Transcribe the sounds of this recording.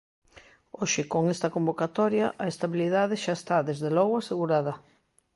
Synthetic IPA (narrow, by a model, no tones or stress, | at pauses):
oʃɪkoŋest̪ɐkombokat̪ɔɾjɐʔɐest̪aβiliðaðɪʃaest̪aðezðelɔɣʊaseɣuɾaðɐ